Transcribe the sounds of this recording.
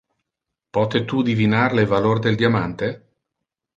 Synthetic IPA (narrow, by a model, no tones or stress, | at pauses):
pɔt̪et̪ud̪ivinaɾlevalord̪eld̪jamant̪e